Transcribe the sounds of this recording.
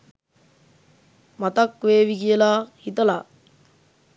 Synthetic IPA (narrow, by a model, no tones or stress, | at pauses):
mat̪akʋeːʋikijəlaːhit̪əla